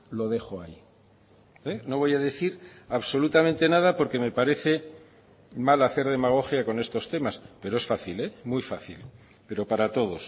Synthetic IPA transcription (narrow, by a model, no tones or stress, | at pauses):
lo̞ð̞e̞xoai | eno̞β̞o̞jaðe̞θiɾaβso̞lut̪amẽnt̪e̞naðapo̞ɾke̞me̞paɾe̞θe̞ | malaθe̞ɾð̞e̞maɣ̞o̞xjako̞ne̞st̪o̞st̪e̞maspe̞ɾo̞e̞sfaθile̞mwujfaθil | pe̞ɾo̞paɾat̪o̞ð̞o̞s